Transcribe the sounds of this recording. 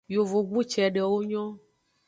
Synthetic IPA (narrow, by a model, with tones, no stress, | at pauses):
jo˨vo˨ɡ͡bu˦t͡ʃɛ˨ɖɛ˨wo˦ɲɔ̃˦